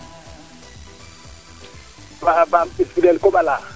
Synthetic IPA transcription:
babam̩ɪsbilɛlkʼʊbala

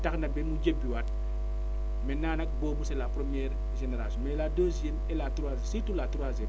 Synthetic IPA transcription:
tɐxnɐbɛnmud͡ʒebːiwɐt̚ | mɛnːaːnɐk̚bɔːbusɛlapɾɔmjɛɾ | ʒɛnɛɾasɔmɛladoːsjemɛlatuɾazsitulatuɾwazɛm

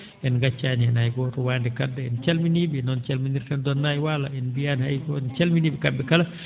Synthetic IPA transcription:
ʔɛnɡat͡ʃːaniɛnajɡɔtɔwaːndɛkadːɛɛnt͡ʃalminiɓinɔnt͡ʃalminiɾtandɔnːajwalaɛnbijanhajɡɔɛnt͡ʃalminiːɓikadːɛkala

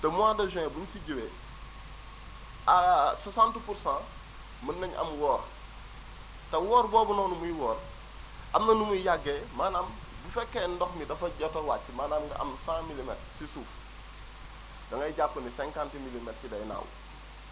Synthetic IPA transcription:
tɐmuaːdoʒɛ̃buɲsiɟiwe | asɐsãntpuɾsã | mɐnːɐɲɐ̰mwɔːɾ | tɐwɔːɾboːbunoːnumuiwɔːr | ʔɐmnɐnumuijaɡːemaːnaːm | bifɛkːendɔxmidɐfɐɟɐtowat͡ʃːimaːnaːmɡɐ̰ʔɐ̰msãːmilimɛtsisuːf | dɐŋɐjɟapːɐnisɛ̃ŋkãntimilimɛtsidɐjna̰w̰

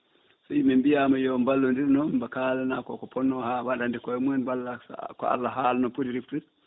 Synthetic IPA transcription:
sɔimɛmbijamajɔmbalːundiɾnɔbakalɛnakɔ̰kɔpʰɔnːɔhawaɗandikɔɛmuɛnbalːakɔ̰a̰lːaɦalnɔpudiɾiftu

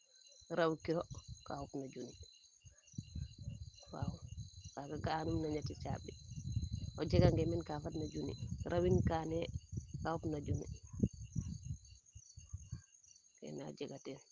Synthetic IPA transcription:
ɾawkiɾokaupnaɟuni | wa̰wukaɡaɡanumnaɲatit͡ʃa̰bi | oɟɛɡaŋɡɛmɛnkafatnaɟunḭɾʔawinkaːnɛkaupnaɟunḭ | kɛ̰na̰ɟɛɡatɛn

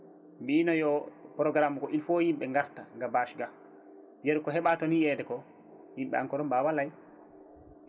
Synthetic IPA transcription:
mbiːnɔjɔpɾɔɡɾamukɔʔilfɔjimɓɛŋɡaɾtaŋɡabaʃɡa | bijɛɾkɔɦɛɓatɔnijɛːdɛkɔ | himɓɛ̰aŋkɔɾɔmbaːwalaj

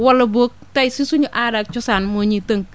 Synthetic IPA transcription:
wɔlːɔbok̚tajsisuɲʊʔaɾak̚t͡ʃɔsanmoɲitəŋk

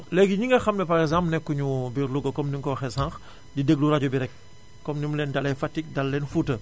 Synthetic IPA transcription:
lɛɡiɲiŋɡɐxɐmlɛpɐɾɛɡzãmpnɛkːuɲubiɾluɡɐkɔmniŋkɔxɛsãŋx | didəɡ̚luɾaɟubiɾɛk̚ː | ɔmnimlɛːndalɛjfatːik̚dalːɛnfutə

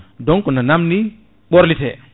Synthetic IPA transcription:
dɔŋkɔnanamni | ɓɔɾlitɛ̰

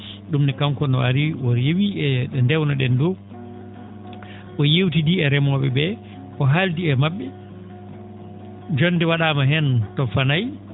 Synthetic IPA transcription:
ɗumnikamkɔnɔaɾiwɔɾjewiɛɗɛndɛwnaɗɛndɔ | ʔɔjewtidiɛɾɛmɔɓɛ̰bɛ | ʔɔɦaldiɛmaɓːɛ | d͡ʒonːdɛwaɗaːmaɦɛntɔfanaj

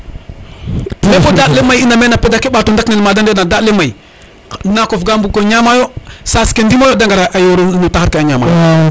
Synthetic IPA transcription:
fefodalemajinamenapedakiɓatundaknelmadandenadalemai | nakofɡambukoɲamajosaskendimajodaŋɡaɾaʔajoɾonotaxaɾkeaɲama̰

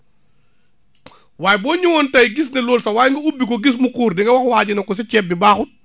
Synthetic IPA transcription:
waːjbɔːɲuwɔntɐjɡis̬nɛlɔːlsɐwaːjŋɡɐubːikɔɡis̬mukuːɾdiŋɡɐwɐxwaːɟinɐkɔs̬ɛt͡ʃɛbːibaːxut̚

